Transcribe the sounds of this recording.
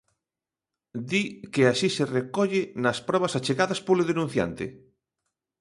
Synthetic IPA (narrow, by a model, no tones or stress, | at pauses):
d̪ikeaʃiserekɔʎɪnɐspɾɔβ̞ɐsat͡ʃeɣaðɐspoleðenũn̟θja̰nt̪ɪ̰